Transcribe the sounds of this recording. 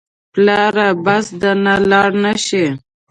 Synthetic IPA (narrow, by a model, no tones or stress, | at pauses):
plɑɾabasd̪analɑɽnaʃi